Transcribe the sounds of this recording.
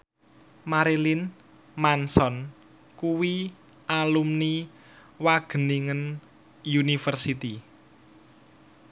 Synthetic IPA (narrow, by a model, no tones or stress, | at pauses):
maɾilin | mansɔn | kuwi | ʔalumni | waɡ̥ə̤niŋən | junifərsit̪i